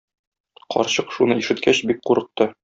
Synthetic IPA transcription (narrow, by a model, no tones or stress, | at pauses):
qʰɒ̰ɾɕɤqʃunɤiʃɘ̆t̪kʰæɕbik̚quɾɤ̆q̚t̪ɤ